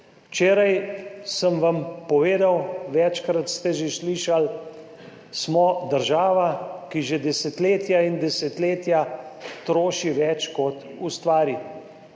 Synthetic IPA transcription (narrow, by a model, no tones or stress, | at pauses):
wt͡ʃeːɾajsəmʋampɔʋeːd̪awʋɛt͡ʃkɾat̪st̪ɛʒesliʃal | smɔd̪əɾʒaːʋakiʒed̪ɛsɛt̪leːt̪jaind̪ɛsɛt̪leːt̪jat̪ɾoːʃiʋɛt͡ʃkɔt̪ | ust̪ʋaːɾi